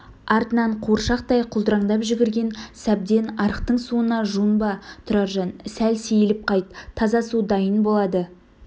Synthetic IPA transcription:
ɑɾt̪ənɑɴqʰoɾʃɑq̚t̪ɑjqʰʊlˠd̪əɾɑɴd̪ɑpʒɪɡʲɪɾɡʲe̞nsæb̚d̪e̞nɑɾəqt̪əɴsuənɑʒuənbɑt̪ʰʊɾɑɾʒɑnsælsejlɪp̚qʰɑjt̪ʰːɑzɑsud̪ɑjənbolˠɑd̪ə

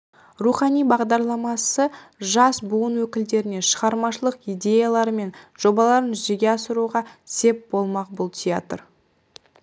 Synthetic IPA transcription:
ruχɑnijbɑʁd̪ɑɾlˠɑmɑsəʒɑsbuənwɵkʲɪld̪e̞ɾɪne̞ʃəʁɑɾmɑʃəlˠəqijd̪ʲe̞jalˠɑɾəme̞nʒ̥o̞bɑlˠɑɾənʒʏzd̪e̞ɡʲe̞ɑsəɾuʁɑse̞p̚b̥o̞lˠmɑqbʊlˠt̪ʰʲija̰t̪ər

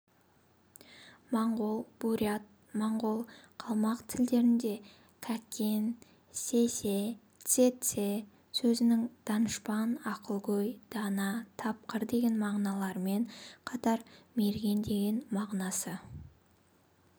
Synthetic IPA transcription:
mɑɴʁo̞lˠb̥uɾʲiat̪̚ | mɑɴʁo̞lˠqʰɑlˠmɑqt̪ʰɪld̪e̞ɾɪnd̪e̞ | kʲʰækʲe̞n | se̞se̞ | t̪set̪se̞ | sɵzɪnɪŋd̪̥ɑnəʃpɑnɑqəlˠɡojd̪̥ɑnɑt̪ʰɑp̚qəɾd̪e̞ɡʲe̞nmɑʁnɑlˠɑɾəme̞ɴqʰɑt̪ɑɾme̞ɾɡʲe̞nd̪e̞ɡʲe̞nmɑʁnɑsə

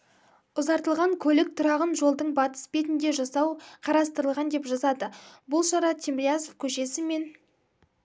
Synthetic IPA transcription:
ʊzɑɾt̪əlˠʁɑŋkʲʰɵlɪk̚t̪ʰʊɾɑʁənʒo̞lˠd̪əɴbɑt̪ə̥sbe̞t̪nd̪e̞ʒɑsɑwqʰɑɾɑst̪əɾəlˠʁɑnd̪e̞pʒɑzɑd̪əbʊlˠʃɑɾɑt̪ʰimɾjazofkʲʰɵʃe̞sɪme̞n

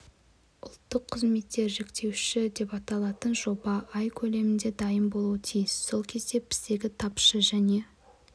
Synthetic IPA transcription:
ʊ̰lˠt̪ːəqʰːəzme̞t̪ːe̞ɾʒe̞kt̪ʰe̞wʃɪd̪e̞pɑt̪ɑlˠɑt̪ənʒo̞bɑʔɑjkʲʰɵle̞mɪnd̪e̞d̪ɑjəmbo̞lˠuət̪ʰijɪsso̞lˠkʲʰe̞zd̪e̞pʰɪ̥sd̪e̞ɡʲɪt̪ʰɑpʃəʒæne̞

